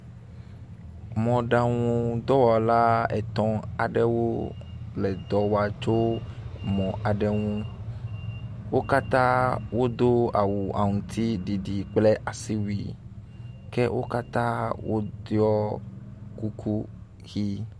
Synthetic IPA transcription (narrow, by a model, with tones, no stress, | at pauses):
mɔ̃˨ɖa˨ŋũ˦d̪ɔ˦wɔ˨la˦ɛ̰˨t̪ɔ̃˦a̰˨ɖɛ˦wo˦lɛ˨d̪ɔ˨wa˨t͡ʃo˦ | mɔ̃˨a˨ɖɛ˦ŋũ˦ | wo˦ka˦t̪ã˦wo˦d̪o˦a̰˨wu˨ʔa̰˨ŋũ˨t̪ʰi˦ɖi˨ɖi˨k͡ple˦ʔa˨si˦wi˨ | kɛ˦wʔo̰˦ka˦t̪ã˦wʔo̰˦d̪jɔ˦ | ku˦ku˦ | ɣi˦